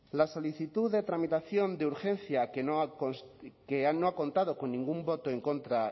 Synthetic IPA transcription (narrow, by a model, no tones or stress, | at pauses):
laso̞liθit̪uðet̪ɾamit̪aθjo̞nd̪euɾxẽ̞nθjakeno | keanoakõ̞nt̪aðo̞ko̞nːĩŋɡumbo̞t̪oeŋkont̪ɾa